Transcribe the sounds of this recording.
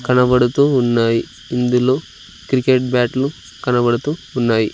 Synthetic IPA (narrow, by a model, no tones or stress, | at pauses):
kɐnɐbɐɽut̪uunːaːji | ind̪ulu | kɾikeʈ̚baːʈlu | kɐnɐbɐɽut̪uunːaːji